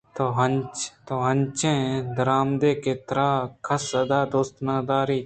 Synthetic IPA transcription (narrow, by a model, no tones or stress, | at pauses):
t̪oːɦənt͡ʃt̪oːɦənt͡ʃẽːd̪əɾaːmd̪eːkeːt̪ɾaːkʰəsəd̪aːd̪oːst̪naːd̪aːɾiː